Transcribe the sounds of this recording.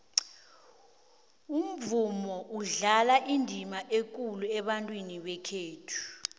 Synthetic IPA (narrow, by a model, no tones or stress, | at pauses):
um̩vumɔʔuɮalaʔindʱimaʔek̬ʼuluɛɓantʼwiniɓɛkʰeːtʰu̥